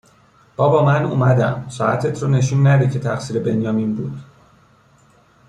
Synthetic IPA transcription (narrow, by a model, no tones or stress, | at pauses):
b̥ɒːbɒːmænumæd̪æmsɒːʔæ̰t̪ʰe̞t̪ʰɾone̞ʃ̬uːnːæd̪iːcʰe̞t̪ʰæxsiːɾe̞be̞njɒːminbuːd̪̥